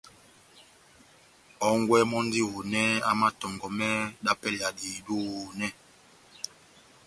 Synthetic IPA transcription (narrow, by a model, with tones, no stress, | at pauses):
ɔ˨˦ŋɡwɛ˦mɔ˦n˦di˦ho˨nɛ˦a˦ma˦tɔ˨ŋɡɔ˨mɛ˦ɗa˦pɛ˦lja˨diː˨du˦ho˨nɛ˦